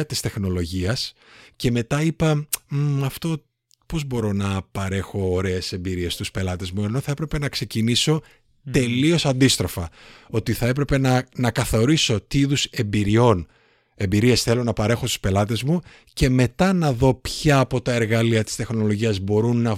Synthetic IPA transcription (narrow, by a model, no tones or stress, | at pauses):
ɐt̪ist̪e̞xno̞lo̞ʝiɐsce̞me̞t̪ɐipɐ | ɐft̪o̞ | po̞zbo̞ɾo̞nɐpɐɾe̞xo̞ːɾe̞ese̞mbiɾie̞st̪uspe̞lɐt̪e̞zmue̞no̞θɐepɾe̞pe̞nɐkse̞ciniso̞ | t̪e̞lio̞sɐnd̪ist̪ɾo̞fɐo̞t̪iθɐe̞pɾe̞pe̞nɐnɐkɐθoɾiso̞t̪iiðuse̞mbiɾio̞n | e̞mbiɾie̞sθe̞lo̞nɐpɐɾe̞xo̞st̪u̥spe̞lɐt̪e̞zmu | ce̞me̞t̪ɐnɐðo̞pçɐːpo̞t̪ɐe̞ɾɣɐliɐt̪i̥st̪e̞xno̞lo̞ʝiɐzbo̞ɾunːɐ